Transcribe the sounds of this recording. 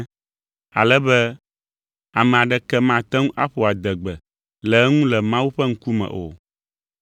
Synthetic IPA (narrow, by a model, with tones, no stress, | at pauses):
a̰˨lɛ˦bɛ˦ | a˨mɛ̃˨a˨ɖɛ˦kɛ˦mã˦˨t̪ɛ˦ŋũ˦ʔa̰˦ɸo˨a˨d̪ɛ˨ɡ͡bɛ˨ | lɛ˨˦ŋũ˦lɛ˨mã˦wu˦ɸɛ˦ŋ̩˦ku˦mɛ̰̃˨ʔo̰˨